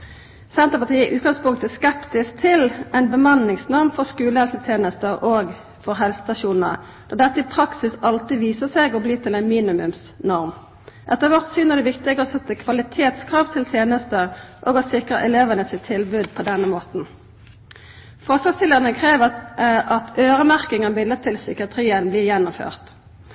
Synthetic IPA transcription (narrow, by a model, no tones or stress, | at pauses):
sɛnt̪əpɑt̪ʰiːɪʔʉːt̪̚ɡɑŋspʊŋkt̪æskɛpt̪ɪsk̚t̪ʰɪlʔæɪnbəmɑnːɪŋsnɔʁmfɔʁskʉːləhɛlsət̪ʰjeːnəst̪əʔoɡ | fɔʁɦɛlsə̥st̪ɑʃuːnnə̰ʁ | d̪ɔʁd̪ɛt̪ːəɪpʰʁɑksɪsɑlt̪ɪʋiːsəseːɡɔbliːt̪ʰɪlæɪnmiːnɪmʉ̰msnɔʁm | ʔɛt̪ːəʁʋɔʁt̪syːnəɛd̪ɛʋɪkt̪ɪɡəɔsɛt̪ːəkʰʋɑlɪt̪ʰeːt̪skʰʁɑːʋt̪ʰɪlt̪ʰjeːnəst̪əʔɔːɡɔsɪkʁə̰ʔɛleːʋənəsɪt̪ʰːɪlbʉd̪̚pʰɔd̪ɛnːəmoːt̪n̩ | fɔʁslɑst̪ʰɪlːəʁənəkʰʁeːʋəʔɑt̪ʰøːʁəmæʁkɪŋɑmɪlːət̪ʰɪlsʏkɪɑt̪ʰʁiːənblɪːʁjɛnːʊmfø̰ːʁt̪